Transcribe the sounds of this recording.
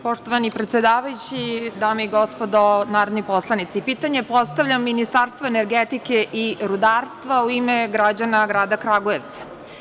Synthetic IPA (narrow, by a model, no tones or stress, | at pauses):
po̞ʂt̪o̞ʋanipɾe̞t̪sjed̪aːʋajut͡ɕid̪aːmeiɡospod̪onaːɾod̪nojpo̞slˠanit̪sipiːt̪aɲe̞po̞st̪aʋʎʲamːinist̪aːɾst̪ʋoeneɾɡet̪ike̞ʔiɾud̪aːɾst̪ʋauimeɡɾad͡ʑanaɡɾaːd̪akɾaɡoeʋt̪sḁ